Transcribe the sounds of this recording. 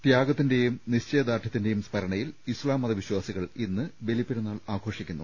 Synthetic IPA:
t̪jaːɡɐt̪ːinde̞jumniɕt͡ɕe̞ːd̪aːʈʰɐt̪ːinde̞jumspɐɾɐɳɐjilislaːmːɐðɐʋiɕwaːsiɣɐɭinːɨbe̞lipːeɾunːaːɭaːɡʱo̞ːʂikʲːunːu

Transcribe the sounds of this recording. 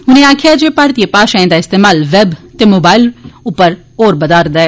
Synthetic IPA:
ɦʊnẽːaːkʰɪjaːd͡ʒeːpaːɾt̪ijəpaːʃaɛ̃ːd̪aːɪst̪eːmaːlʋɛːbt̪eːmoːbaːɪlʊpːəɾ | oːɾbəd̪aːɾd̪aːɛː

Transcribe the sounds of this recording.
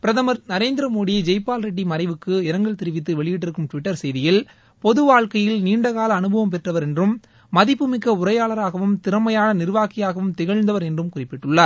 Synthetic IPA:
pɪɾɐðɐmɐɾnɐɾeːnd̪ɪɾɐmoːɽɪjɐd͡ʒɛɪpːaːlɾɐʈ̬ːimɐɾɐɪʋɯkːɯɪɾɐŋɡɐɭt̪ɪɾɯʋɪt̪ːɯʋɛɭɪjɪʈːɪɾɯkːɯmʈʋɪʈːɐɾsɛjðɪjɪl | pɔðɯʋaːɻkɐjɪlniːɳɖɐɣaːlɐːnɯbʱɐʋɐmpɛʈrɐʋɐɾɛndrɯmː | ɐðɪpːɯmɪkːɐʊɾɐjaːɭɐɾaːɣɐʋɯmt̪ɪɾɐmɐjaːnɐnɪɾʋaːkɪjaːɣɐʋɯmt̪ɪɣɐɻnd̪ɐʋɐɾɛndrɯmkʊrɪpːɪʈːɯɭːɐɾ

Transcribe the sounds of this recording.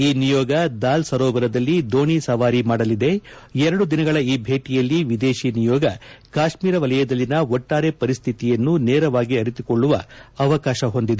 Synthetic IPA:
iːnijɔːɡɐd̪aːlsɐɾɔːbɐɾɐd̪ɐlːid̪oːɳisɐʋaːɾimaːɽɐlid̪e̞ɛɾɐɽud̪inɐɡɐɭɐiːbʱe̞ːʈijɐlːiʋid̪e̞ːʃinijɔːɡɐkaːʃmiːɾɐʋɐlɐjɐd̪ɐlːinɐɔʈːaːɾe̞pɐɾist̪ʰit̪ijɐnːuneːɾɐʋaːɡiɐɾit̪ikoɭːuʋɐɐʋɐkaːʃɐɦo̞nd̪id̪e

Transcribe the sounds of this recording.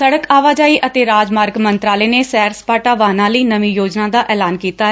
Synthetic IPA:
səɽəkaːʋaːd͡ʒaːiːʔət̪eːɾaːd͡ʒmaːɾɡmənt̪ɾaːleːneːsɛːɾspaːʈaːʋaːnãːləiːnəmĩːjoːd͡ʒnãːd̪aːʔɛːlaːnkiːt̪aːɛ

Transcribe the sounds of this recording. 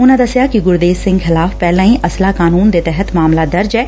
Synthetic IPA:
ʊnãd̪ɐsjakiɡʊɾd̪eːsɪ̃ŋɡxɪlaːfpɛːlãːĩʔɐslakaːnuːnd̪et̪ɛɦət̪maːmlad̪ɐɾd͡ʒɛː

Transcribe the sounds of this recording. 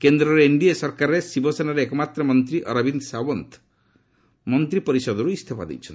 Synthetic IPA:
kend̪ɾɔɾeiɳɖiesɔɾkaɾesibɔsenaɾeekɔmat̪ɾɔmɔnt̪ɾiʔɔɾabinsawɔnt̪ʰ | mɔnt̪ɾipɔɾisɔd̪ɔɾuist̪ʰepa̰d̪ḭjt͡ʃʰɔn

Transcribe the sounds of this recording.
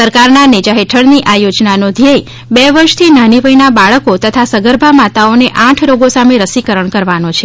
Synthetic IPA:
səɾkaɾnaned͡ʒaɦeʈʰəɽniʔajod͡ʒnanod̪ʱijəi | bɛʋəɾʃt̪ʰinaniʋəjnabaɭəkot̪ət̪ʰasəɡəɾbʱamat̪aoneʔãʈʰɾoɡosameɾəsikəɾəɳkəɾʋanot͡ʃʰe

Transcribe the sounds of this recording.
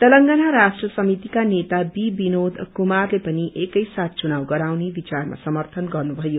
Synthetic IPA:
t̪ʌlʌŋɡanaɾasʈrʌsʌmit̪ikanet̪abibinod̪kumarlepʌniʔekʌjsat̪̚ʰt͡sunawɡʌɾawnebit͡sarma̰sʌmʌrt̪ʰʌnɡʌrnubʱʌjo

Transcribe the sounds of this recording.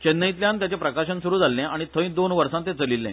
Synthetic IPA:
t͡ɕenːəĩt̪ljãnt̪̬jat͡ɕepɾəkaɕənsuɾuːd͡zʱalːẽaɽ̃it̪ʰəĩd̪onʋəɾsãnt̪ẽt͡səlilːḛ̃

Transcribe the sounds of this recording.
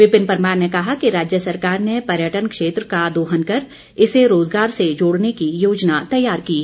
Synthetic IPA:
ʋɪpɪnpəɾmaːɾnekɐɦakiɾaːd͡ʒjəsɐɾkaːɾnepɐɾjəʈənkʃeːt̪ɾəkad̪oːɦənkɐɾ | ɪseɾoːzɡaːɾsed͡ʒoːɽnekijoːd͡ʒnat̪ɐjːaːɾkiː

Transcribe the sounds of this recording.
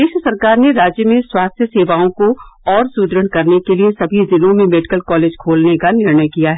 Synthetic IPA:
d̪eːʃɾəsɐɾkaːɾneɾaːd͡ʒjəmẽswaːst̪ʰjəseːʋaːõkoɔːɾsuːd̪ɾəɳkɐɾnekeliesɐbʱizɪlõmẽmeːɖɪkəlkɔːleːd͡ʒkʰoːlnekanɪɾɳəjkijaɦɛː

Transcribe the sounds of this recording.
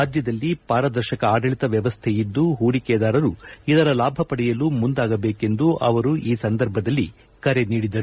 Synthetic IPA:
aːd͡ʒjɐd̪ɐlːipaːɾɐd̪ɐɾʃɐkɐaːɖɐɭit̪ɐʋjɐʋɐst̪ʰejid̪ːuɦuːɽikɛːd̪aːɾɐɾuid̪ɐɾɐlaːbʱɐpɐɽɛjɐlumund̪aːɡɐbe̞ːke̞nd̪uʔɐʋɐɾuʔiːsɐnd̪ɐɾbʱɐd̪ɐlːi | kɐɾe̞niːɽid̪ɐɾ

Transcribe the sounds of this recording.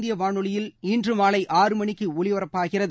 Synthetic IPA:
d̪ɪjɐʋaːɳɯɭɪjɪliːndrɯmaːlɐɪʔaːrɯmɐɳɪkːɯɔɭɪʋɐrɐpːaːɣɪrɐðɯ

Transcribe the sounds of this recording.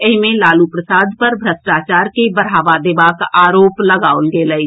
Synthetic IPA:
ɪɦmẽlaːlupɾəsaːd̪pəɾbʱɾəsʈaːt͡ʃaːɾkebɐɾɦaːʋad̪eːbaːkaːɾoːplɐɡaːolɡeːləi

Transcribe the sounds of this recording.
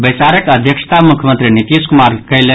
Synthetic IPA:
bɐjsaɾəkɐd̪ʱjəkʃt̪ʰamʊkʰjəmənt̪ɾinit̪iːskʊmaːɾkɐile

